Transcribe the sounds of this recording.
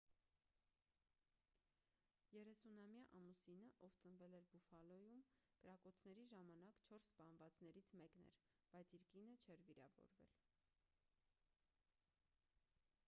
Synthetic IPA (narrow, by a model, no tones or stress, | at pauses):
jɛɾɛsunɑmjɑʔɑmusinəʔɔvt͡sənvɛlɛɾbufɑlɔjumkəɾɑkɔt͡sʰnɛɾiʒɑmɑnɑkt͡ʃʰɔɾsːpɑnvɑt͡snɛɾit͡sʰmɛknɛ̰ɾ | b̥ɑjt͡sʰiɾkinət͡ʃʰɛɾviɾɑ̰vɔ̰ɾvɛ̰l